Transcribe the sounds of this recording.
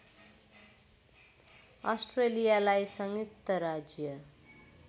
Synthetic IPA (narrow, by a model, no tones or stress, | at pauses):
ʌsʈrelijalajsʌŋjuk̚t̪ʌɾad͡zjʌ